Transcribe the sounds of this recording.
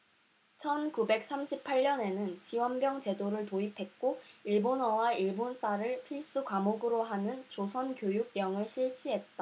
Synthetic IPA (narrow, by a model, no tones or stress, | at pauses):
t͡ɕʰʌnkube̞k̚s͈amɕʰipʰːaʎːʌne̞nɯnt͡ɕiwʌnbjʌŋt͡ɕe̞doɾɯɭtoipʰe̞k̚k͈oiɭbonʌwaiɭbons͈aɾɯɭpʰiɭs͈ɯkwamoɡɯɾoɦanɯnt͡ɕosʰʌnkjojuɡ̚jʌŋɯɭɕʰiɭɕ͈iɦe̞t̚t͈a